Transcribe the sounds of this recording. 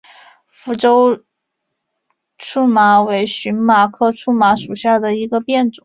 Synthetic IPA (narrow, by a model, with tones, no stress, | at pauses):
fu˧˥ʈ͡ʂo˥ʊ | ʈ͡ʂʰu˥˩ma˧˥we˧˥ɪɕy˧˥nma˨˩kʰɤ˥˧ʈ͡ʂʰu˥˩ma˧˥ʂu˨˩ɕja˥˩d̪ə˩i˧˥ɡə˧pjɛ˥˩nʈ͡ʂʊ˨˦